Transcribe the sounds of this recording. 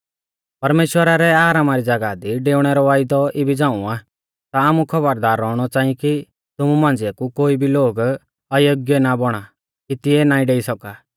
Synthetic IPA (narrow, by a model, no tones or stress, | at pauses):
pɐɾmeːʃwəɾaɾɛaːɾaːmaɾid͡zɐɡad̪iɖeːʊɽ̃ɛɾɔʋaːɪd̪ɔʔɪbʱid͡zãːũaː | t̪aːmukʰɔbəɾd̪aːɾːɔɽ̃ɔt͡ʃãːĩki | t̪ʊmumãːnd͡ziakukoːibʱiloːɡ | ɐjoɡjɛnabɔɽ̃a | kit̪ɪɛnaːĩɖeːisɔkaː